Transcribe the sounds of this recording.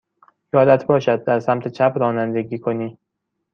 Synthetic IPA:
jɒːlæt̪ʰbɒːʃæd̪̚ːæɾsæmt̪ʰet͡ʃʰæpɾɒːnænd̪eɡiːkʰo̞niː

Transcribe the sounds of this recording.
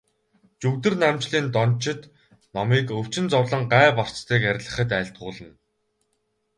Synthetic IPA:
t͡ɕuwt̪ɘ̆rnamt͡ɕɮiːnt̪ɔnt͡ɕɪ̆t̪ | nɔmiːkɵw̥t͡ɕɪ̆nt͡sɔwɮə̆ɴɢæːpɔr̥t͡ɕt̪iːkæɾ̆ʲɮə̆χə̆t̪æːɬt̪̚ɢʊːɮə̆nn

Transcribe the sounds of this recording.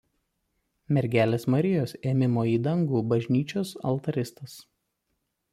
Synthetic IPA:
mʲɛɾʲɡʲæːlʲeːsmɐɾʲɪjoːseːmʲɪmoːiːd̪ɐŋɡuːbɐʒʲnʲiːt͡ʃʲoːsɐ̰lˠˑt̪ɐɾʲɪst̪ɐs

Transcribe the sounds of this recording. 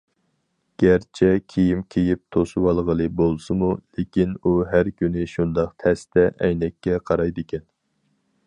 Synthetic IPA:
ɡ̥ʲæɾt͡ʃʰɛkʲʰejimkʲʰejip̚t̪ʰosuwɑlˠʁəlˠɨbolˠsɨmulekʲinuɦæɾkʲynɪʃund̪ɑqt̪ʰɛst̪ɛʔɛjnɛkʲːɛqʰɑɾɑjd̪ɨkʲʰɛn

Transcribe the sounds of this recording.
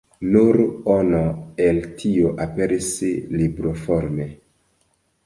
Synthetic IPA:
nuɾonoeltʰioʔapeɾislibɾofoɾme

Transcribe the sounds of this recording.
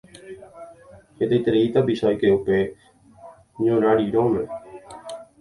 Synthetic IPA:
et̪eːt̪əɾiːt̪abiːsɔːkeːʊpeː | ɲõːɾaːɽiːɾõːme

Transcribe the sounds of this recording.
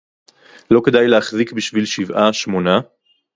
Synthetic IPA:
lo̞kedajleaχzikbiʃvilʃivʔaʃmona

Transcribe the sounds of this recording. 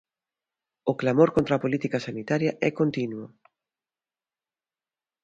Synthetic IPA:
ʊklamoɾkõnt̪ɾapolit̪ikɐsanit̪aɾjɐʔɛkont̪inwʊ

